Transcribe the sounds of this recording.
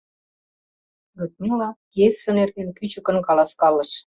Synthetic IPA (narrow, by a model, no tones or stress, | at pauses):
ɡot̪̚milɑ | jesʲːə̆nerɣenkyt͡ɕə̆kə̆nkɑlɑskɑlə̆ʃ